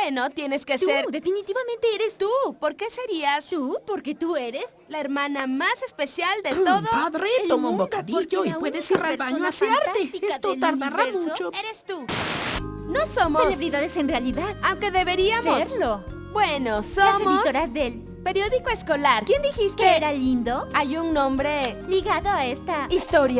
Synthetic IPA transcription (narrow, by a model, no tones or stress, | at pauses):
weno̞t̪jene̞ske̞seɾd̪efinit̪iβamẽnt̪eeɾest̪upo̞ɾke̞se̞ɾiast̪upoɾket̪ueɾes | laeɾmãnamase̞spe̞sjald̪et̪o̞ðoaðretomõmbokaðiʝoiweðesiraβaɲoasjaɾt̪eieat̪ot̪aɾareɾmuot͡ʃoeɾest̪u | nosomoesleβɾiðaðesenrealiðaðawŋke̞ðe̞βe̞ɾiasoɾlo | b̥wenososmiostoɾazdel | peɾjo̞ðikoesko̞laɾkjend̪ixist̪eeɾalind̪oajuŋnõmbɾe̞liɣaðoaest̪aist̪oɾja